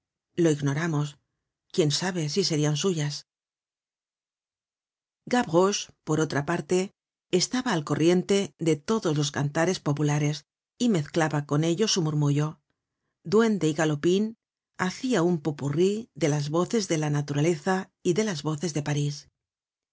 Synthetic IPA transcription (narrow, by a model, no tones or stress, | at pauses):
lo̞iɣno̞ɾamo̞s | kje̞nsaβe̞sise̞ɾiansuʝas | ɡaβɣospo̞ɾo̞t̪ɾapaɾt̪e̞ː | st̪aβaːlko̞rʔje̞nt̪e̞ðe̞t̪o̞ðo̞zlo̞skant̪aɾe̞spo̞pulaɾe̞s | ime̞θklaβako̞ne̞ʎo̞sumuɾmuʝo̞ | d̪we̞nd̪e̞iɣalo̞pin | aθiaumpopuriðe̞lazβo̞θe̞zðe̞lanat̪uɾale̞θa | iðe̞lazβo̞θe̞zðe̞paɾis